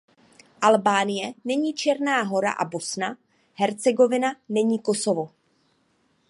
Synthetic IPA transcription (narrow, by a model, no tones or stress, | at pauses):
ʔalbaːnɪjɛnɛɲiːt͡ʃɛɾnaːɦo̞ɾa̰ʔa̰bo̞sna | ɦɛɾt͡sɛɡo̞vɪnanɛɲiːko̞so̞vo̞